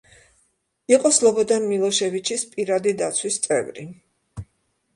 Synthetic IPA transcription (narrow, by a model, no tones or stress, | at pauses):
iqʼɔslˠɔbɔd̪anmilˠɔʃɛvit͡ʃʰispʼiɾad̪id̪at̪sʰwist̪sʼɛ̰vɾi